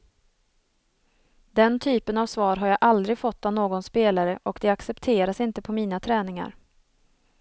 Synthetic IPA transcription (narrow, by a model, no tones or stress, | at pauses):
d̪ɛnt̪ʰyːpənavsvɑːɾɦaɾjaʔald̪ɾɪɡfɔt̪ːavnoːɡɔnspeːlaɾəʔɔkd̪ɛaksɛpt̪ʰeːɾasɪnt̪əpʰɔmiːnat̪ʰɾɛːnɪŋa̰ɾ